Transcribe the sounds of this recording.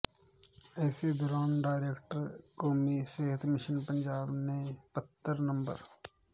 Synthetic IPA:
ɛːsed̪ɔːɾaːnɖaːɪɾeːkʈəɾkoːmiseːɦət̪mɪʃənpə̃ɲd͡ʒaːbnẽpət̪ːəɾnə̃mbə̰ɾ

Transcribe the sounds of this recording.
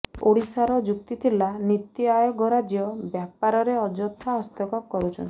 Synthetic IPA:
oɽisaɾɔd͡ʒukt̪it̪ʰilanit̪iajɔɡɔɾad͡ʒiɔbjapaɾɔɾeɔd͡ʒɔt̪ʰːaɔst̪ɔkɔp̚kɔɾut͡ʃʰɔ̰nt̪i̥

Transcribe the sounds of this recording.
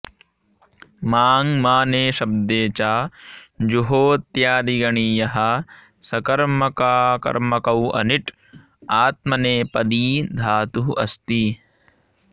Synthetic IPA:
maːŋmaːneːʃɐb̚d̪eːt͡ʃaːd͡ʒuɦoːt̪jaːd̪iɡɐɳiːjɐɦɐ̆ | sɐkɐɾmɐkaːkɐ̰ɾmɐkɐwɐ̰niʈ | aːt̪̚mɐneːpɐd̪iːd̪ʱaːt̪uɦɐst̪i

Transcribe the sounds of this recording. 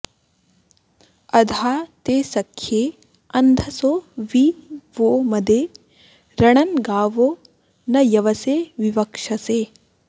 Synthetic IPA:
ɐd̪ʱaːt̪eːsɐkʰːjeː | ɐnd̪ʱɐsoːʋiːʋoːmɐd̪eː | ɾɐɳ̃ɐnɡaːʋoː | nɐjɐʋɐseːʋiʋɐkʂɐseː

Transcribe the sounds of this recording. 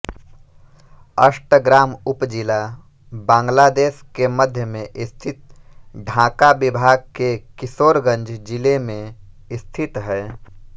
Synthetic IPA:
əʃʈəɡɾaːmʊpd͡ʒɪla | bãːŋɡlaːd̪eːskeməd̪ʱjəmẽʔɪst̪ʰɪt̪̚ɖʱãːkabɪbʱaːɡ̚kekɪsoːɾɡə̃nd͡ʒd͡ʒɪlemẽ | ɪst̪ʰɪt̪ɦɛː

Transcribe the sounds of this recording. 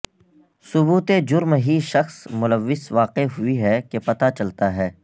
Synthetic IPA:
sʊbuːt̪ed͡ʒʊɾmɦiʃɐxsmʊləʋːɪsʋaːqɪɦʊiɦɛkepɐt̪at͡ʃɐlt̪aɦɛː

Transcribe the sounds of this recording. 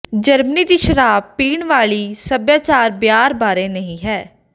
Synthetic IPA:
d͡ʒəɾməniːd̪iːʃəɾaːbpiːɳʋaːɭiːsəbjaːt͡ʃaːɾbjaːɾbaːɾeːnəɦĩːɦɛː

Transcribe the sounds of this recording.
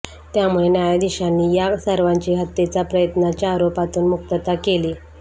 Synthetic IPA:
t̪jamuɭenjajad̪iɕanːiːjasəɾʋaɲt͡ɕiːɦət̪ːet͡sapɾəjət̪nat͡ɕaːɾopat̪uːnmuk̚t̪ət̪akeli

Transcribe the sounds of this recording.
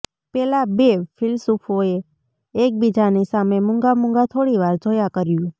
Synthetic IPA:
pɛlabefʰɪlsufʰoeː | k̚bid͡ʒanisamemʊ̃ŋɡamʊ̃ŋɡat̪ʰoɽiʋaɾd͡ʒʱojakəɾjũ

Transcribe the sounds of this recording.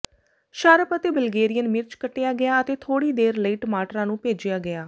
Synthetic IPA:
ʃaːɾəpət̪eːbəlɡeːɾijənmɪɾt͡ʃkəʈːejaːɡɪjaːət̪eːt̪ʰoːɽiːd̪eːɾləiːʈəmaːʈɾãːnũːpeːd͡ʒɪjaːɡɪjaː

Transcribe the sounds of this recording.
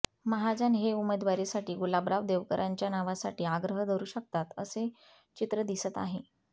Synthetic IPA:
məɦad͡ʑanɦeumed̪ʋaɾisaʈiːɡulabɾaʋd̪eʋkəɾʔaɲt͡ɕjanaʋasaʈiːaɡɾəɦəd̪ʱəɾuːɕək̚t̪at̪ə̰se | t͡ɕit̪ɾəd̪isət̪a̰ɦe

